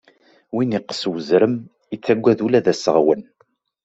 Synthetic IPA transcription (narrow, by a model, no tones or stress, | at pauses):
winiqːə̥swəzɾəm | it͡sːæɡʷːæðulæðæsəʁwən